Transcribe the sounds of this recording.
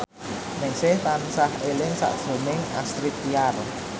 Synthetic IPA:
nɪŋsɪht̪ansaɦelɪnsa̰ʔʒ̥o̤mɪŋa̰st̪ɾit̪ːiar

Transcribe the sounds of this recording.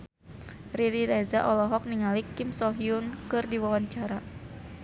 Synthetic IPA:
riɾiɾɛzaʔɔlɔɦɔk̚niŋalikimsɔɦiunkɨrdiwawaɲt͡ʃaɾa

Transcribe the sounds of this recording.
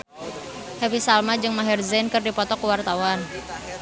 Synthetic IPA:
hɛwisalmad͡ʒɨŋmaɦɛrzɛnkɨrdipɔt̪ɔkuwart̪awan

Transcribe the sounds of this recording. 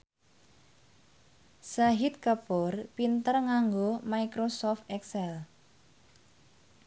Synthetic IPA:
saɦit̪̚kəpɔrpint̪ərŋaŋɡomaikɾosɔft̪ɛksɛl

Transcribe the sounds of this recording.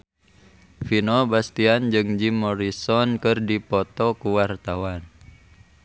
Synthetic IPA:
finɔbast̪iand͡ʒɨŋd͡ʒimɔɾisɔnkɨrdipɔt̪ɔkuwart̪awan

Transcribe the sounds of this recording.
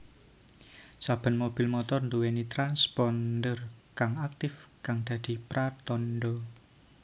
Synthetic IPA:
sab̥ə̤nmob̥i̤lmɔt̪ɔrnd̪uwenit̪ɾanspɔnd̪ərkaŋak̚t̪ɪfkaŋd̪̥ä̤d̪̥i̤pɾat̪ɔnɖɔ

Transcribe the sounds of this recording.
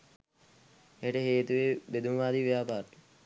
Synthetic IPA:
eʈəɦeːt̪uʋebed̪umʋaːd̪iʋejaːpaːɾʈ̪u

